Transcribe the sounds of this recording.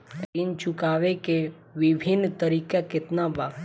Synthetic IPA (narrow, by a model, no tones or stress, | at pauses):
int͡ʃʊkaʋeke | ʋibʱinːt̪əɾikaket̪naba